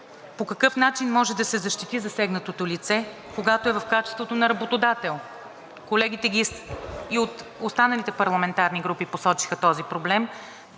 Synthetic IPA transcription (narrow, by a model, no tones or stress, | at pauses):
pokɐkɤfnat͡ʃinmɔʒɛd̪ɐsɛzɐʃt̪it̪izɐsɛɡnət̪ot̪olit̪sɛ | koɡat̪oɛvɐfkat͡ʃɛ̥st̪vot̪onɐɾɐbot̪od̪at̪ɛlˠ | kolɛɡʲit̪ɛɡʲisiot̪ost̪anɐlit̪ɛpɐɾlˠɐmɛnt̪aɾniɡɾupiposɔt͡ʃi̥xət̪ɔzipɾoblɛm